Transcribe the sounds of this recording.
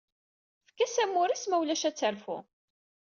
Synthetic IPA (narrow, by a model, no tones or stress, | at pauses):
fə̥kːæsæmːʊɾismæwlæʃæt͡sːəɾfṵ